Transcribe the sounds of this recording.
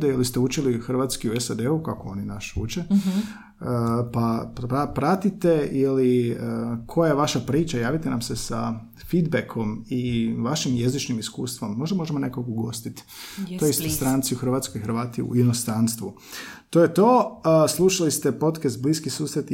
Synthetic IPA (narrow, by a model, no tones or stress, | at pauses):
d̪eilist̪eut͡ʃilixr̩ʋat̪skiuesad̪eukakoo̞ninaʃṵt͡ʃe | pappapɾat̪it̪e̞ili | kʰo̞jajeʋaʃapɾiːt͡ʃajaːʋit̪enamsesa | fid̪bekʰo̞miʋaʃimje̞zit͡ʃnimiskṵːst̪ʋo̞mːo̞ʒd̪amo̞ʒemo̞ne̞kokoɡo̞st̪it̪ | t̪oisst̪ɾant̪siuxr̩ʋat̪skoixɾʋaːt̪iṵinost̪ɾanst̪ʋu | t̪o̞jet̪o̞ːslˠuʃalist̪epo̞t̪kast̪̚bliskisuːsɾet̪